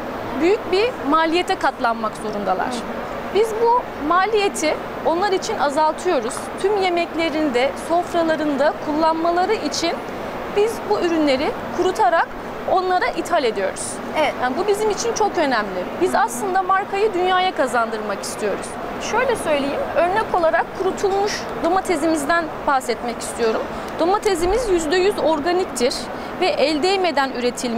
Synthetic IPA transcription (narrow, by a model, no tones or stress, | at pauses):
byjyc̚bimaːlʲijet̪ʰɛkʰat̪lˠanmakzo̞ɾund̪alˠa̰ɾ̥ | bizbu | maːlʲije̞t̪ʰi | o̞nlˠaɾit͡ʃʰinazalˠt̪ʰɯjo̞ɾuz̥t̪ʰymje̞mɛclʲe̞ɾinid̪ɛso̞fɾalˠaɾɯnd̪akʰulˠːanmalˠaɾɯʔit͡ʃʰin | bizbuʔyɾynlʲe̞ɾɪ | kʰuɾut̪ʰaɾak | o̞nlˠaɾaʔit̪ʰhalʲe̞d̪ijo̞̰ɾuz̥ | ɛabubizimit͡ʃʰint͡ʃʰo̞kø̞næmlʲɪbizaslˠɯnd̪amaɾkʰajɯd̪ynjaːjakazand̪ɯɾmaki̥st̪ʰijo̞ɾṵz̥ | ʃø̞jlʲɛsø̞jlʲejimø̞ɾnɛko̞lˠaɾakʰːuɾut̪ʰulˠmuʃ | d̪o̞mat̪ʰe̞zimizd̪ænbahsɛt̪mɛci̥st̪ʰijo̞ɾum | d̪̥o̞mat̪ʰezimizjyzd̪ɛjyzo̞ɾɡanic̚t̪ʰiɾ | vɛʔɛlʲd̪ejme̞d̪ænyɾe̞t̪ʰilʲ